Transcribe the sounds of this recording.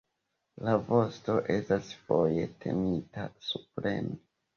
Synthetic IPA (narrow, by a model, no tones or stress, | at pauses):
lavo̞sto̞ʔe̞stasfo̞je̞tʰe̞̰mitasupɾe̞̰mo